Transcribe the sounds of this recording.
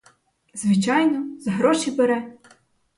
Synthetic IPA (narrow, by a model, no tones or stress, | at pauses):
zʋɪt͡ʃɑjnɔzɦɾɔʃibeɾɛ